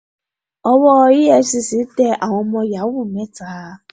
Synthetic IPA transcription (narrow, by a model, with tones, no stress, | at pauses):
ɔ˧wɔ˦˧˦ji˦ɛ˧˦si˨si˨˦tɛ˧a˨w̃ɔ̃˧mɔ̃˧ja˨˦wu˦˨mɛ̃˦˨ta˦